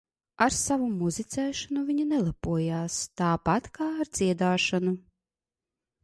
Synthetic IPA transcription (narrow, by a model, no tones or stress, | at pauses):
aɾsavumuzit̪sʲɛːʃanuvʲiɲanɛlˠapuɔjaːst̪aːpat̪kaːɾd̪z̥iɛd̪aːʃanu